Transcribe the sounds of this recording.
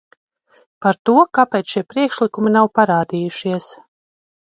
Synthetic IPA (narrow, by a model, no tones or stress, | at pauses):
paɾt̪uɔkapɛːt̪ʃiɛpɾiɛkʃlˠikuminawpaɾaːd̪iːjuʃiɛs